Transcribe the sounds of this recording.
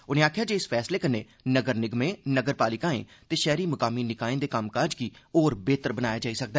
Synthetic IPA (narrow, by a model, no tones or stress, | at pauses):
ʊnẽaːkʰjaːd͡ʒeːɪsfʰɛːsleːkəneː | nəɡəɾnɪɡmẽːnəɡəɾpaːlɪkãːḛ̃ːt̪eːʃɛːɾiːmʊkaːminɪkaːẽːd̪eːkamkaːd͡ʒkioːɾbeːt̪əɾbənaːjaːd͡ʒaːisək̚d̪aɛː